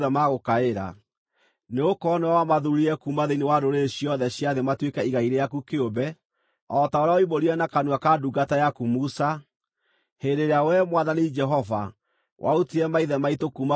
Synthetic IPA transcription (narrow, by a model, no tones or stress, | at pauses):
ðɛmaɣokaeɾa̰ | neokɔnewawamaðuɾiɾɛkumaðeinewadoɾeɕiɔðɛɕjaðematwekɛiɣaiɾejakukeobɛ | ɔtaoɾaɔiboɾiɛnakanwakaduɡatajakumusa | hedeɾeawɛmwaðanid͡ʒɛɦɔva̰ | wʔa̰utiɾɛmaiðɛmaitokuma